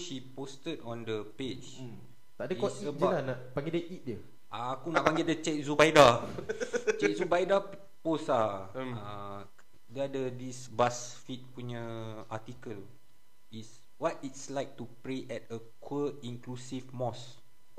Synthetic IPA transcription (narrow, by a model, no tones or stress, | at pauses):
ʃipostədɔ̃ndəped͡ʒ | t̪adəkɔtiəd͡ʒalanaʔpaŋɡidəʔit̚də | ʔaːkunaaʔpãŋɡidət͡ʃɛk̚zubajda | t͡ʃɛk̚zuubajda | posaã | dəadədisbasfit̚puɲa | atikəl | is | wɔt̚itslaɪk̚tupɾeʔɛt̚əkʰwəĩŋklusifmɔs